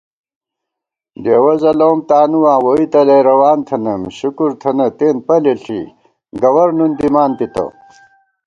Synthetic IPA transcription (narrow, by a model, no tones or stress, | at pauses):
deːwɐzɐloːmt̪aːnuwãːwoit̪ɐleɾɐwaːnt̪ʰɐnɐmɕukuɾt̪ʰɐnɐt̪eːn̚pɐleɬʰḭ | ɡɐwɐɾnund̪imaːnt̪it̪ɐ̰